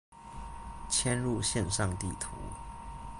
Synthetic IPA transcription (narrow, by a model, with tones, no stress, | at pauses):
t͡ɕʰjɛ˥nɻu˥˧ɕjɛ˥˧nʂɑ˥˨ŋt̪ḭ˥˩t̪ʰṵ˧˦